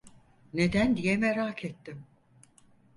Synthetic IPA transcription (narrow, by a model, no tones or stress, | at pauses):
ne̞d̪ænd̪ijɛmeɾaːkʰet̪ːim